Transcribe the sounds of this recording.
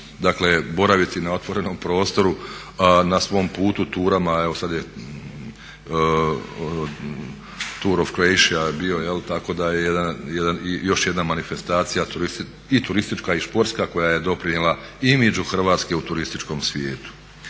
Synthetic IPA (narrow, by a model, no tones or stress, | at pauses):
d̪aklebo̞ɾaʋit̪inao̞t̪ʋo̞ɾe̞no̞mpɾo̞ːst̪o̞ɾu | nasʋo̞mpuːt̪ut̪uːɾamaeʋosad̪je | t̪uːɾoʋkɾoejʃiabio̞jelt̪ako̞d̪ajejed̪anjed̪anjo̞ʃjed̪namanife̞st̪aːt̪sijat̪uɾist̪ | it̪uɾist̪it͡ʃkaispo̞ɾt̪skako̞jaje̞d̪o̞pɾiɲelˠaimed͡ʒuxr̩ʋaːt̪ske̞ut̪uɾist̪it͡ʃko̞msʋjeːt̪u̥